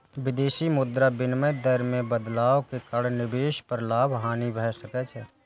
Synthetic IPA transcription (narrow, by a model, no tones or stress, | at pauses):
ʋɪd̪eːʃimʊd̪ɾabɪnməjd̪əɾmẽbəd̪laːokekɐɽnɪbeːʃpəɾlaːbʱɦaːnibʱɛɦsəkɛt͡ʃʰɛː